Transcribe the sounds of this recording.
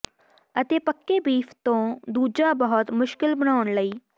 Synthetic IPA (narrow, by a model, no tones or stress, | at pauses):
ət̪eːpəkːeːbiːpʰt̪õːd̪uːd͡ʒaːbəɦʊt̪mʊʃkɪlbəɽ̃aːʊɳləiː